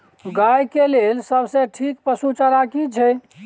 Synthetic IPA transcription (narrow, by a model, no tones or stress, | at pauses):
ɡajkelelsəbsẽʈʰikpəsut͡ʃəɾakit͡ʃʰɛ